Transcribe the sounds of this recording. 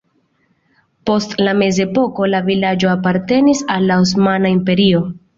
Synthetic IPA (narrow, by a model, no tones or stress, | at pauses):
po̞stlame̞ze̞po̞ko̞lavilad͡ʒo̞apaɾte̞nisalːaos̬manaimpe̞ɾio̞